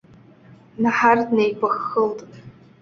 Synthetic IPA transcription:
naħardnejbʷaxːəltʼ

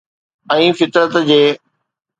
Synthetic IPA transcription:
ɛ̃ːfɪt̪ɾət̪d͡ʑeː

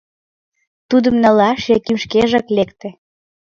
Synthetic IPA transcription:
t̪ud̪əmnə̆lɑʃekymʃkeʒəklekt̪ĕ

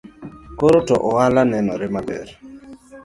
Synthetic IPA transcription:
koɾotɔ̰ʔɔalanɛnɔɾɪmabɛ̰ɾ

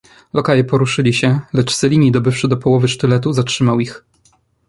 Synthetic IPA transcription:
lɔkajɛpɔɾuʂɘlʲiɕɛlɛt͡ʂsɛlʲiɲid̪ɔbɘfʂɘd̪ɔpɔwɔvɘʂt̪ɘlɛt̪uzatʂɘmawix

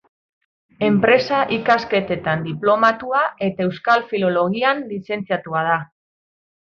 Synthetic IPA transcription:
e̞mpɾe̞saʔikaske̞t̪e̞t̪and̪iplo̞mat̪uae̞t̪ae̞wskalfilo̞lo̞ɣianlise̞nt͡siat̪uað̞a

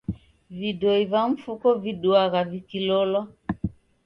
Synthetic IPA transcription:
vidoivaɱ̩fukɔviduaɣavikilɔlɔ

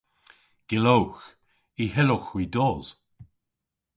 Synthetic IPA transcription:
ɡ̥ɪlowx | iɦɛlʊxwidɔːz̥

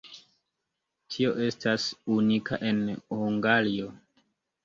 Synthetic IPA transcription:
tʰio̞ʔe̞stasunikaʔe̞nhuŋɡalio

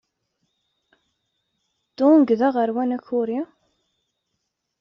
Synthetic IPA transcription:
d̪̥oŋɡðæʁəɾwænæçʊɾi

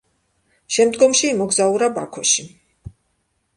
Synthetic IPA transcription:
ʃɛmd̪ɡɔmʃiːmɔɡzauɾaba̰kʰɔʃi

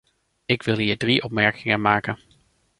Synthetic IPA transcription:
ɪkʋɪlˠɦiːɹdriʔɔpmɛɹkɪŋəmaːkən

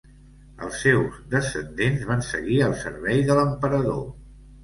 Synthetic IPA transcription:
ə̰lˠsːewzðəsənd̪enzβansəɣiəlˠsə̰ɾβɛjðələmpəɾəðo̰

